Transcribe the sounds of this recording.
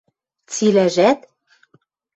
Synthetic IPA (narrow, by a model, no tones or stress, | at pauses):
t͡silæʒæt̪